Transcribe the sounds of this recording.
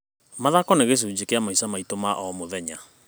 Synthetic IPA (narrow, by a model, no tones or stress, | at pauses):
maðakɔneɣes̬uːd͡ʑekeamaisamaitomaʔɔmoðɛɲa